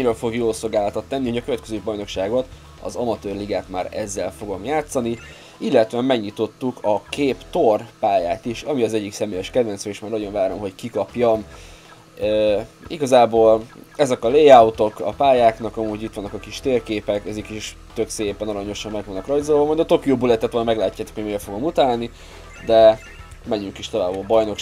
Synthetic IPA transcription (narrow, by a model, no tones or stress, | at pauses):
ɲiɾølfo̞ɡjoːlsolɡaːlɒt̪ɒt̪ːɛnːiho̞ɟɒkøvɛt̪kɛzøːbɒjno̞kʃaːɡo̞t̪ | ɒ̰zɒmɒt̪øːrliɡaːt̪maːɾɛ̰zːɛlfo̞ɡo̞mjaːt̪sɒni | ilːɛt̪ʋɛmɛɡɲit̪o̞t̪ːukʰɒkʰeːpt̪o̞rpaːjaːt̪iʃɒmiɒzɛɟːiksɛmeːjɛʃkɛd̪vɛnt̪søiʃmaːɾɒjo̞nvaːɾo̞mɦo̞ckikɒpjom | ø | iɡɒzaːboːlɛzɛkɒleːjaut̪o̞kɒ̰paːjaːknɒkɒmuːɟit̪ːʋɒnːɒkɒkiʃt̪eːrkeːpɛkɛzikiʃ | t̪ø̞kseːpɛnɒɾɒɲo̞ʃɒmːɛɡʋɒnːɒkrɒjzolvɒmjd̪ɒt̪o̞kijoːbulɛt̪ɛt̪ʋolnmɛɡlaːcːaːt̪o̥khoɟmeːlfo̞ɡo̞mut̪aːlni | d̪ɛ | mɛɲyŋkiʃt̪o̞vaːbobɒjno̞k